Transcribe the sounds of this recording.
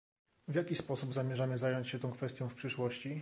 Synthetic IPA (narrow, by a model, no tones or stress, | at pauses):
vʲjakʲispɔsubzamʲjɛʐamjɘzajɔɲt͡ɕɕɛt̪ɔ̃w̃kfɛst̪ʲjɔ̃w̃fpʂɘʂwɔɕt͡ɕi